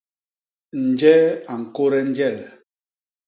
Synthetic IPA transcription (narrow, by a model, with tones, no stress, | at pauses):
n̩˨d͡ʒɛ˦a˨ŋ̩˨ko˦ɾɛ˦n̩˦d͡ʒɛ˦˨l